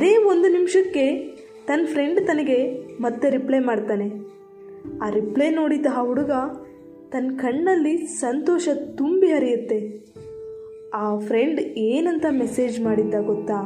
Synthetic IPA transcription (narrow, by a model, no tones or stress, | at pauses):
ɐd̪e̞ːond̪unimʂɐkːe̞ | t̪ɐnːpʰɾe̞ɳɖt̪ɐnɐɡe̞mɐt̪ːeɾiplejmaːɖt̪aːne̞ | aːɾiplejno̞ːɽid̪ɐɦɐɦuɽuɡɐ | t̪ɐnkɐɳːɐlːisɐnt̪ɔːʃɐt̪umbiɦɐɾijut̪ːe̞ | aːpʰɾe̞ɳɖeːnɐnt̪ɐmese̞ːd͡ʒmaːɽid̪ːɐɡɔt̪ːaː